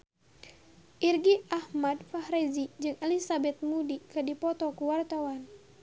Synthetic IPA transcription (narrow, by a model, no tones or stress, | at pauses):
ʔirɡiʔahmadfahɾezid͡ʒɨŋelisabɛt̪̚mudikɨdipɔt̪ɔkuwart̪awan